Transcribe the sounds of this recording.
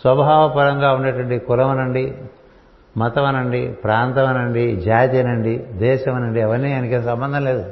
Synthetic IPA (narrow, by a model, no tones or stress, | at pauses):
sʋɐbɐɦaːʋɐpɐɾɐŋɡaːuɳɖɐʈɐɳɖikulɐmɐnɐɳɖi | mɐt̪ɐmɐnɐɳɖipɾaːnt̪ɐmɐnɐɳɖid͡ʒaːt̪ijɐnɐɳɖid̪ɛːʃɐmɐnɐɳɖiɛʋɐɾnːiːɐnikeːnɐsɐmbɐnd̪ʱɐnleːd̪u